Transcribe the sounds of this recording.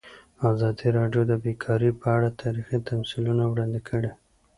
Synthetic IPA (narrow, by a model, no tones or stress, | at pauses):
azɑd̪iɾɑɖjod̪əbekʰɑɾipəaɽat̪ʰɑɾixit̪ʰamsilunawɽɑnd̪ɪkʰəɽe